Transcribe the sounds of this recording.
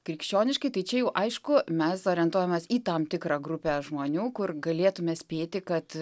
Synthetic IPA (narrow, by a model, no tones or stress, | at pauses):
kɾʲɪkʃʲt͡ʃʲoːnʲɪʃkɐɪt̪ɐɪt͡ʃʲɛjɛʊʔɐɪʃkʊmʲɛsoːɾʲɪɛnt̪uɔjɛmʲeːsiːt̪ɑmt̪ʲɪkɾɑːɡɾʊpʲeːʒmoːnʲuːkʊrɡɐlʲeːt̪ʊmʲɛːsʲpʲeːt̪ʲɪkɐt̪